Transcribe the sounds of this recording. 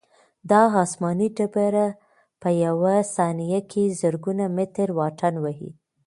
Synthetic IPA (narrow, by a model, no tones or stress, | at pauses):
d̪ɑɑsmɑniɖabaɾa | pəjawasɑnijakʰezəɾɡunamɪt̪ɾwɑʈanwaɦḭ